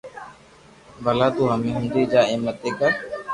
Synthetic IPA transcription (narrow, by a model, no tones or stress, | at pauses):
bəlaːt̪uːɦəmẽːɦũːnd̪iːd͡ʒaːeːmət̪eːkəɾ